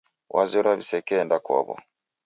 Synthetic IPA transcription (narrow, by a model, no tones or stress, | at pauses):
wʔazɔɾaβisɛkɛndakɔ̰βɔ̰